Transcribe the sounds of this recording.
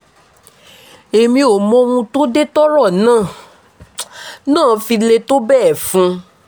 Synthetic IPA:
e˨mĩ˧o˨mɔ̃˧wũ˧to˦de˦tɔ˦ɾɔ˦˨nãː˦˨ | nãː˦˨fi˧le˧to˦bɛ˦˨fũ˧˦

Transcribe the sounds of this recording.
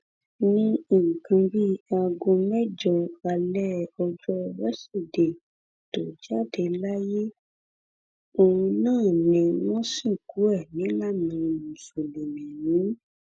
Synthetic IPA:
nĩ˧˦ĩ˨ŋ̩˨kʰã˧ɾi˦a˧ɡõ˧mɛ˦d͡ʒɔ˧a˧lɛ˦ɔ˧d͡ʒɔ˦ɾɛ˦si˦˨de˨ | to˨d͡ʒa˦de˧la˦je˦ | o˨ũ˧nãː˦˨nĩ˧˨wɔ̃˦sĩ˦˨ku˨˦ɛ˦˨nĩ˨˦la˦˨mĩ˧mũ˨so˨le˨mĩ˨nĩ˨˦

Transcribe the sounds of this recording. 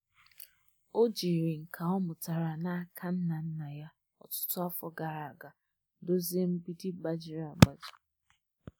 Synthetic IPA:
o˦d͡ʒi˨ɾi˨ŋ̩˨kʰa˨ɔ˦mʊ˨ta˨ɾa˨na˦˨kʰa˦n̩˦na˨n̩˦na˨ja˦ | ɔ̰˦˨tʊ̥˦tʊ˦a˦fɔ˦ɡa˨ɾa˨a˨ɡa˨ | do˦ze˦m̩˦bi˦di˦ba˦d͡ʒi˨ɾa˨ɡ͡ba˨d͡ʒi̥˨

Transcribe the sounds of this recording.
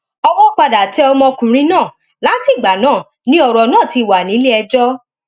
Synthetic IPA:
ɔ˧wɔ˦˨k͡pa˧da˨tɛ˨˦ɔ˧mɔ̃˧kũ˨ɾ̃ĩ˨˦nãː˦˨ | la˨˦ti˦˨ɡ͡ba˨nãː˦˨ | nĩ˦ɔ˨ɾɔ˨nãː˦˨ti˧˨wa˨nĩ˨˦le˦ɛ˧d͡ʒɔ˦

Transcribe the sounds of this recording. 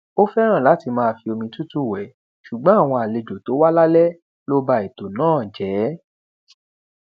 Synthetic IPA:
o˦fɛ˦ɾ̃ã˦˨la˨˦ti˧mãː˦˧fi˧o˧mĩ˧tu˦tu˦˨wɛ˨ | ʃu˨ɡ͡bɔ̃˦a˦˨w̃ɔ̃˧a˨le˧d͡ʒo˨to˨˦wa˦la˦lɛ˦ | lo˦ba˧i˨to˨nãː˦˨d͡ʒɛː˨˦

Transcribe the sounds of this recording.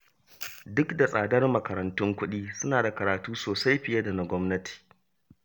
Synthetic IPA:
dʊ˦kda˨sʼaː˨dɐ˦rmɐ˨kɐ˨ɾɐ˨ntʊ˦ŋkʷʊ˦ɗiː˦sʊ˦naː˨da˨kɐ˨ɾaː˨tuː˦soː˨sa˦jɸɪ˨jɐ˦da˨na˦ɡʷɔ˦mnɐ˦tʰi̥ː˨

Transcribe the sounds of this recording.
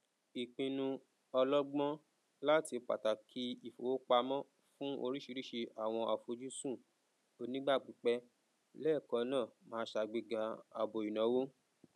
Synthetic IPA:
i˨k͡pĩ˧nũ˧ | ɔ˧lɔ˦ɡ͡bɔ̃˦ | la˦ti˧k͡pa̰˨ta˨kʰi˦i˨fo˨o˦k͡pa˧mɔ̃˦ | fũ˦ʔo˧ɾi˦ʃi˧ɾi˦ʃe˧ʔa˨w̃ɔ̃˧a˨fo˧d͡ʒu˦sũ˦˨ | o˧nĩ˦ɡ͡ba˦˨k͡pĩ˨˦k͡pɛ˧ | lɛː˦˨kɔ̃˧˦nãː˦˨mãː˨˦ʃa˨˧ɡ͡bi˧ɡa˨˦a˨bo˨i˨nã˨˦wo˦

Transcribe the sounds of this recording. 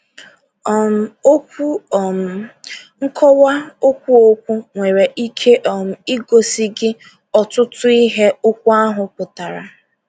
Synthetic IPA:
m̩˨o˦ku˦˨ | ŋ̩˦kʰɔ˦wa˦o˦kʷu˦o˦kʷu˦ŋʷe˨ɾe˨ʔi˦kʰe˦ʔɔ˨m̩˨i˦ɡo˨si˦ɡɪ˦ | ɔ˨tʊ˦tʊ˦i˦ɦe˦ʊ˦kʷu˦a˦ɦʊ˨pʊ˨ta˨ɾa˨

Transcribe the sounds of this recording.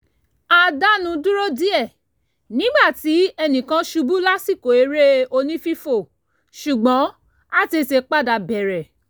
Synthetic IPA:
a˧da˦nũ˧du˦ɾo˦di˦ɛ˦˨ | nĩ˨˦ɡ͡ba˦˨ti˨˦ɛ˧nĩ˨kã˧ʃu˧bu˦la˦si˦˨ko˨e˨˧ɾe˦o˧nĩ˦fi˦fo˦˨ | ʃu˨ɡ͡bɔ̃˨˦ | a˦˨ti˧˨se˧k͡pa˦˨da˧bɛ˨ɾɛ˨

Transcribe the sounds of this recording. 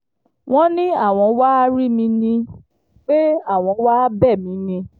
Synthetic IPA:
w̃ɔ̃˦nĩ˦a˦˨w̃ɔ̃˧wa˦a˧ɾi˦mĩ˧nĩ˧ | k͡pe˦a˦˨w̃ɔ̃˧˦wa˦bɛ˦˨mĩ˨˧nĩ˧

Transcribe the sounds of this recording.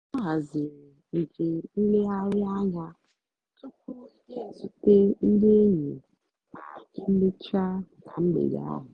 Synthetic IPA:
ɔ˦ɦa˨zɪ˨ɾn̩˨d͡ʒe˨n̩˦le˦a˦ɾɪ˦a˦ɲa˦ | tʊ˦ku˦e˦˨su˨te˦n̩˦de˦ɲe˨ | k͡pa̰˨kɪ˦n̩˦le˦t͡ʃa˦na˨ŋ͡m̩˦ɡ͡bḛ˨d̰a̰˦ɦʊ˨

